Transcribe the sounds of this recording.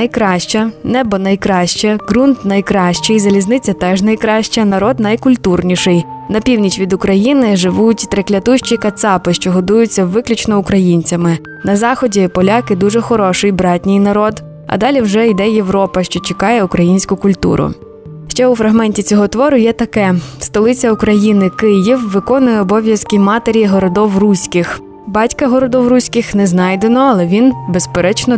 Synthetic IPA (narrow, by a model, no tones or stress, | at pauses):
nɐjkɾɑʃt͡ʃɐnɛbɔnɐjkɾɑʃt͡ʃɛɡɾunt̪nɐjkɾɑʃt͡ʃɪjzɐlʲiznɪt͡sʲɐt̪ɛʒnɐjkɾɑʃt͡ʃɐnɐɾɔd̪nɐjkʊlʲt̪urnʲiʃɪjnɐpʲiwnʲit͡ʃʋʲid̪ʊkɾɐjinɪʒɪʋutʲt̪ɾeklʲɐt̪uʃt͡ʃikɐt̪sɑpɪʃt͡ʃɔɦɔd̪ujʊt͡sʲːɐʋɪklʲʊt͡ʃnɔʊkɾɐjinʲt͡sʲɐmɪ | nɐzɑxɔdʲipɔlʲɑkɪd̪uʒɛxɔɾɔʃɪjbɾɑtʲnʲɪjnɐɾɔd̪ | ɐ̰d̪ɑlʲiwʒɛid̪ɛje̞ʋɾɔpɐʃt͡ʃɔt͡ʃekɑjɛʊkɾɐjinʲsʲkʊkʊlʲt̪ṵɾʊ̰ | ʃt͡ʃɛʊfɾɐɦmɛnʲtʲit͡sʲɔɦɔt̪ʋɔɾʊjɛt̪ɐkɛst̪ɔlˠɪt͡sʲɐʊkɾɐjinɪkɪjiwʋɪkɔnʊjɛɔbɔʋʲjɐskimɑt̪eɾʲiɦɔɾɔd̪ɔwrusʲkɪx | bɑtʲkɐɦɔɾɔd̪ɔwrusʲkɪxnɛznɑjd̪enɔɐlˠɛʋʲinbespeɾɛt͡ʃnɔ